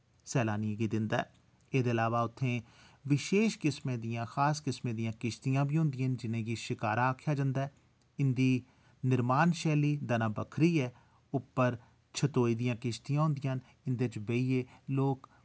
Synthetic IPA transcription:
sɛːlaːnijẽːɡiːd̪ɪnd̪aɛː | eːd̪eːəlaːʋaːʊt̪ʰːẽː | ʋɪʃeːʃkɪsmẽːd̪ɪjãːxaːskɪsmẽːd̪ijãːkɪʃt̪ijãːbiːɦʊ̃nd̪ɪjənd͡ʒɪnẽːɡiːʃɪkaːɾaːkʰːjaːd͡ʒãːnd̪aɛː | ɪnd̪iː | nɪɾmaːnʃɛːliːd̪anãːbəkʰɾiːɛː | ʊpːəɾ | t͡ʃʰət̪oːiːd̪ijãːkɪʃt̪ijãːɦʊnd̪ɪjãːn | ɪnd̪eːt͡ʃbeieːloːk

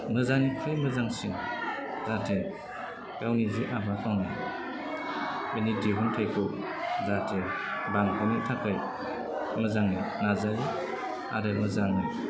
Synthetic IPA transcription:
mɯzanikʰɾɯjmɯzaŋsiŋdatʰe | ɡawniziʔabakʰawna | inideɦuntʰajkʰɔ | datʰebaŋkʰɔnitʰakʰɯj | mɯzaŋninazaj | a̰ɾɯmɯzaŋnɯ

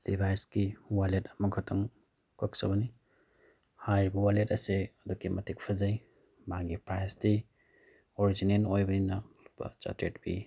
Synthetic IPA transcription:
libʱajskiwaletɐmɐŋkʰɐtʰɐŋ | kɯk̚sɐbɐni | hajbɐwaletɐseɐdukːimɐtʰik̚pʰɐzɐj | maŋɡipɾajasti | oɾizinenojbɐninɐlupɐ̰t͡ʃa̰tɾetbḭ

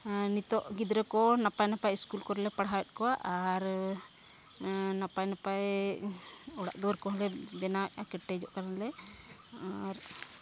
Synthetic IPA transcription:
nit̪ɔʔɡid̪ɾɛkɔnapajnapajiskulkɔɾɛlɛpaɽɦawɛt̪̚kɔwaʔaɾ | napajnapaj | ɔɽa̰ʔd̪ɔɾkɔɦɛlɛbɛnawɛʔakɛʈːɛd͡ʒɔʔkaɾanlɛ | aɾ

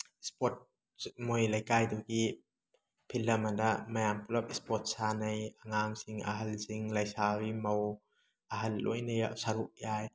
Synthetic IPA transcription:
spɔt̚ | mojlɐjkajduki | pʰilːɐmɐndamajampulap̚ispɔt̚sanɐjaŋaŋsiŋa̰ɦɐlsiŋlɐjsawimow | ʔɐɦɐlːo̰jnɐjaʔsaɾuʔ̚jaj

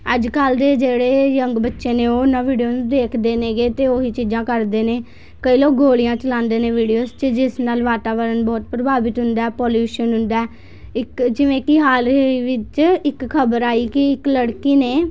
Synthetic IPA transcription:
əd͡ʒkəld̪eːd͡ʒeːɽeːjəŋɡbətːʃeːneːoːnãːʋiːɖioːnũd̪eːkʰd̪eːneːɡeːt̪eːoːɦiːt͡ʃiːd͡ʒãːkəɾd̪eːneː | kəiːloːk̚ɡoːlijãːt͡ʃəlãːnd̪eːnẽːʋiːɖijoːst͡ʃəd͡ʒɪsnaːlʋaːt̪aːʋəɾənbɔːt̪̚pɾəbaːʋɪt̪ɦʊnd̪aːpɔːljuːʃənɦʊ̃nd̪aː | ɪkd͡ʒɪʋẽːkɪɦaːlʋɪt͡ʃɪkkʰːəbəɾaːiːkɪɪkləɽkiːneː

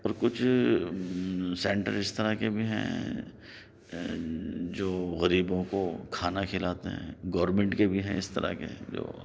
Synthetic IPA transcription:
ɔːɾkʊt͡ʃʰ | sɛ̃ːɳʈə̰ɾɪst̪ɐɾakebʱiɦɛ̰̃ | d͡ʒoːɣɐɾiːbõkokʰaːnakʰɪlaːt̪eɦɛ̰̃ɡɔːɾɾmẽɳʈkebʱiɦɛ̰̃ɪst̪ɐɾa̰kḛd͡ʒo̰ː

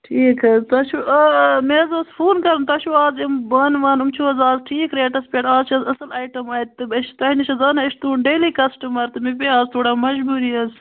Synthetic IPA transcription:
ʈʰiːkʰɐzt̪ɐʃuʔɐmezosfuːnkɐɾmt̪ɐʃuaːzimbɐnʋaːnumt͡ʃʰuɐzaːzʈʰiːkɾeːʈɐspeʈaːzt͡ʃɐzɐsɐlɐːjʈɐmaːjt̪̚t̪ːɨbɐʃt̪ɐɦiniʃɐzɐːnɐɐʃt̪uːɳɖeːliːkɐsʈɐmɐɾt̪ɨmipeaːzt̪ʰoːɽaːmɐʒbuːɾiɐz

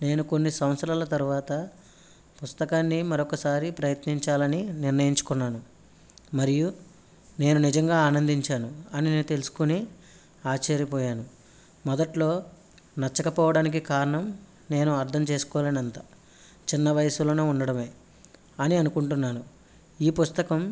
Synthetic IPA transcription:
ne̞ːnuko̞nːisɐw̃sɾaːlɐt̪ɐɾuʋaːt̪ɐ | pust̪ɐkaːnːimɐɾokɐsaːɾipɾɐjɐt̪niɲt͡ʃaːlɐniniɾnɐjiɲt͡ʃu̥kunːaːnu | mɐɾiju | ne̞ːnunid͡ʒɐŋɡaːaːnɐnd̪ʱiɲt͡ʃaːnuɐnineːnut̪e̞lusu̥kuni | aːt͡ʃɐɾjipɔːjaːnu | mɔd̪ɐʈlo̞ː | nɐt͡ʃːɐkɐpɔːʋɐɽaːnik̬ikaːɾɐɳɐm | ne̞ːnuɐɾt̪ʰɐmt͡ʃe̞ːsu̥kɔːleːnɐnt̪aː | t͡ʃinːɐʋɐjɐsulo̞ːneːuɳɖɐɽɐme̞ː | ɐniɐnukuɳʈunːaːnu | iːpust̪ɐkɐm

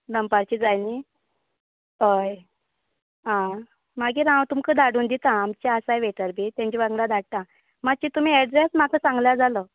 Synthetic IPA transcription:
d̪əmpaɾt͡ɕiːd͡zajni | əj | ɦã | maɡiːɾãwt̪umkəd̪ʱaɽuːnd̪it̪ãːmt͡ɕaəsajʋeʈəɾbʱit̪jãɲt͡ɕibãŋɡlad̪ʱaɽt̪a | mat͡ɕit̪um̤iːɛɖɾesmakəsãŋɡljad͡zaləː

